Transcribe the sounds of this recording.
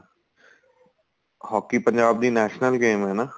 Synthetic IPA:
hɔːkiːpəɲd͡ʒaːb̚d̪iːnɛːʃnəlɡeːmɦɛːnaː

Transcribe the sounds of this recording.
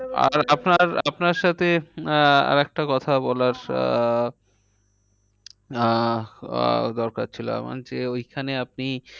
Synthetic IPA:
a̰ɾapnaɾapnaɾʃat̪ʰe | a̰ɾɛk̚ʈakɔt̪ʰabɔlaɾ | d̪ɔɾkaɾt͡ɕʰilo̰a̰ma̰nd͡ʑeojkʰaneap̚ni

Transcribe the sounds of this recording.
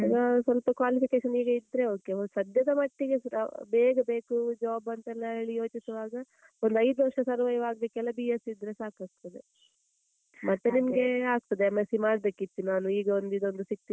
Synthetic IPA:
aːɡɐsʋɐlpɐkʋaːlipikeːʃɐniːɡɐid̪ɾe̞o̞ːke̞osɐd̪jɐd̪ɐmɐʈːiɡe̞sbeːɡɐbe̞ːkud͡ʒaːbɐnt̪ɐɛlːɐeɭijo̞ːt͡ʃisɐʋaːɡɐ | ond̪ɐjd̪uʋɐɾʂɐsɐɾʋɐjɐʋaːɡɐbeːkɛlːɐbiːjesid̪ɾe̞saːkaːɡ̚t̪ɐd̪ḛ | mɐt̪ːenimɐɡe̞aːɡ̚t̪ɐd̪emesimaːɽbeːkit̪ːinaːnuiːɡɐond̪id̪o̞nd̪usik̚t̪i

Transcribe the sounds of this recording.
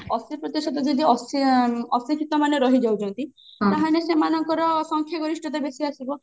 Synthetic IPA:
ɔsipɾɔt̪esɔt̪ɔd͡ʒed̪iɔsɔsikʰit̪ɔmaneɾɔɦid͡ʒawd͡ʒɔnt̪ĩ | naɦanesemanɔŋkɔɾɔsɔŋkʰjɔɡɔɾisʈʰɔt̪abesiasibɔ

